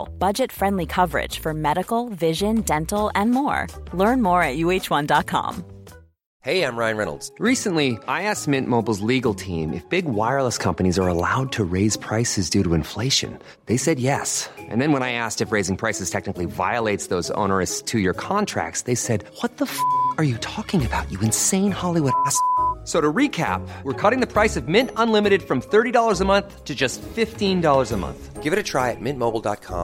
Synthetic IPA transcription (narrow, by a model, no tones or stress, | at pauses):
lˠb̥ʌd͡ʒɨtfɹɛ̃ndˡlikʰʌvə˞ɪ̰d̥ʒ̥fə˞mɛɾɨkl̩ˠvɪʒɨ̃ndɛ̃ntl̩ˠɨ̃nmɔɹlɜ̃˞nmɔɹɨt̚jʉeɪt͡ʃwʌ̃ndɑt̚kʰɑ̰̃m | heɪãɪ̃mɹaɪ̃nɹɛnl̩ˠdz̥ɹisɨ̃nliʔaɪæsmɪ̃nmoʊbl̩ˠzliɡl̩ˠtʰĩmʔɨ̰fb̥ɪɡwaɪə˞lˠəskʰʌ̃mpɨñizə˞əla̰ʊd̚tʰɨɹeɪz̥pʰɹ̥aɪsɨzdʉɾəɨ̃ɱfleɪʃɨ̰̃n | ðeɪsɛd̚jɛsʔɨ̰̃nðɨ̃nwə̃ñaɪæstɨfɹeɪzɪ̃ŋpʰɹ̥aɪsɨz̥tʰɛk̚nɨkliva̰ɪəleɪtsðoʊzõ̰ʊ̃nə˞ɨstʰɨjə˞kʰɑ̃ntʰɹ̥æ̰k̚tsðeɪsɛd̚wʌt̪̚ðəfʌkə˞jɨtʰɔkɪ̃ŋɨbaʊt͡ʃɨɨ̃nsẽɪ̃nhɑlˠiwʊɾæssoʊɾəɹikʰæ̰p̚wəɹkʰɔɾɪ̃ŋðɨpʰɹ̥aɪsʌvmɪ̃ntə̃nlɪ̃mɨɾɨd̥fɹʌ̃mθɜ˞ɾiɾɔlˠə˞zəmʌ̃nθtʰɨd͡ʒʌstfɪftĩndɔlˠə˞zəmʌ̰̃nθɡ̥ɪvɨɾɨtʰɹ̥aɪɨt̚mɪ̃nmoʊbl̩ˠdɑ̰t̚kʰɑ̰̃m